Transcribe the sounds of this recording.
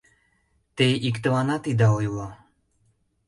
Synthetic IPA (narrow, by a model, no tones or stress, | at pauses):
t̪eikt̪ə̆vɑnɑt̪id̪ɑujlo